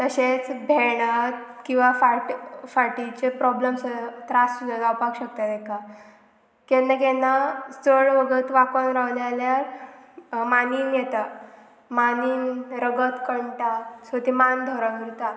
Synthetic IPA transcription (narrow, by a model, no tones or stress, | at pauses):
t̪əɕet͡sbʱeɽət̪̚kĩw̃ʋafaʈfaʈit͡ɕepɾɔbləmsət̪ɾasud̪ət̪awpaɡɕək̚t̪at̪ɛka | kenːakenːat͡səɭʋəɡət̪ʋakənɾaʋljaljaɾ | maniːnjɛt̪a | maniːnɾəɡət̪kəɳʈasət̪imand̪ʱɔɾəɡiɾt̪a